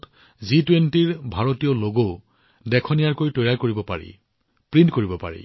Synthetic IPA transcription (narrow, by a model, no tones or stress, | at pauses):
t | zitwentiɹbʱaɹotijɔloɡoʊ | dɛkʰɔnijaɹkojtɔjɹaɹkoɹibɔpa̰ɹḭ | pɹintkoɹibɔpa̰ɹḭ